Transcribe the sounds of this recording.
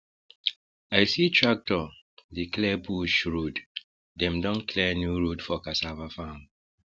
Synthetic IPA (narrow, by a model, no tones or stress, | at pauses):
ajsitʰɹak̚tɔ | diklɛbuʃɹud | dɛ̃mdɔ̃nkʰlɛnjuɹudfɔkasavafãn